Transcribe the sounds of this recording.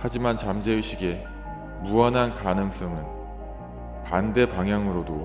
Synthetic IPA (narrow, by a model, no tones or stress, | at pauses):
had͡ʑimant͡ɕamd͡ʑe̞iɕ͈ʰiɡe̞ | muʌnɦankanɯŋs͈ʌŋɯn | pande̞paŋɦjaŋɯɾodo